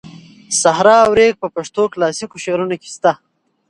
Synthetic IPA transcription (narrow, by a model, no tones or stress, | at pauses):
sahɾɑːwɾeɡ̚pəpaʂt̪oklɑsikoʃeɾunoke̥st̪a